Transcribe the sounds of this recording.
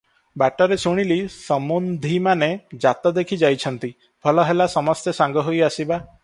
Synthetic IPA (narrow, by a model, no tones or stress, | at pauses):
baʈɔɾesuɽ̃ilisɔmund̪ʱimaned͡ʒat̪ɔd̪ekʰid͡ʒajt͡ʃʰɔnt̪i | pʰɔlɔɦelasɔmɔst̪esaŋɡɔɦojasiba